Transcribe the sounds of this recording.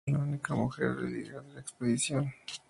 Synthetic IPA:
launikamuxḛɾðḛðḭɣaðelaekspeðisjo̞n

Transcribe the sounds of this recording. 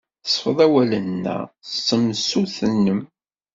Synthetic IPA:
θə̥sˤfəðˤæwælənːæ̰sːəmsuθənːəm

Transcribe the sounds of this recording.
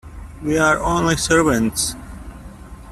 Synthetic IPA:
wiaɹõːnlisəɹʋə̃nts

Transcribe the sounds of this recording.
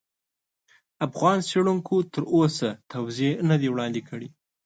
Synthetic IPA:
afɣɑnseɽuŋkʰot̪əɾosat̪awzenəd̪ewɽɑnd̪ekʰəɽi

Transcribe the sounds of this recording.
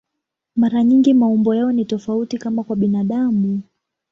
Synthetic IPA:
maɾaɲiŋɡimaumbɔjaɔnitɔfautikamakwaɓinaɗamu

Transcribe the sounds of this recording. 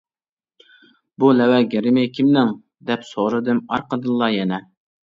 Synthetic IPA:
bulɛwɛɡʲɛɾɪmɪkʲʰimnɪŋ | d̪ɛpsoʁɾɨd̪ɨmɑɾqəd̪ɨlˠːɑjɛnɛ

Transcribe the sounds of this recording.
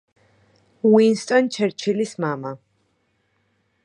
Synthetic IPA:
winst̪ʼɔnt͡ʃʰɛɾt͡ʃʰilismama

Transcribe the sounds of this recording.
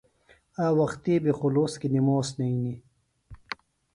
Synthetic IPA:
aːwɐxt̪iːbixoloːskinimoːsnɐini

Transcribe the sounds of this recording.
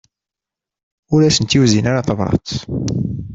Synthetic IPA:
ʊɾæsənt̪juzinaɾaθəvɾˤɑ̰t͡s̪

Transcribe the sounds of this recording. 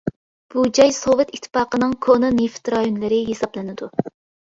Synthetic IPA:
b̥ud͡ʒɑjsovɨt̪it̪ʰːɨ̥pɑːqənɨŋkʰononeft̪ɾɑjonlˠɨɾɪɦesɑblˠɪnɪd̪u

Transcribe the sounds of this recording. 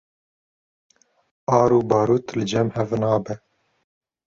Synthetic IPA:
ɑːɾuːbɑːɾuːt̪lɨd͡ʒɛmhɛvnɑːbɛ

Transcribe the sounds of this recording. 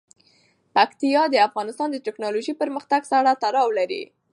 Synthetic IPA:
pakt̪ijɑd̪əafɣɑnɪst̪ɑnd̪əʈɪknɑloʒipəɾməxt̪aɡsaɽat̪aɾɑwlaɾḭ

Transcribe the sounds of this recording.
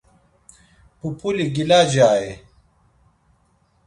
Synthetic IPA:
pupuliɡilaːd͡ʑaːe

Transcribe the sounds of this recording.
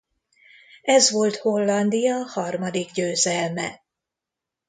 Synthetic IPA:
ɛzʋo̞lt̪ho̞lːɒnd̪ijɒhɒrmɒd̪iɡɟøːzɛlmɛ̰

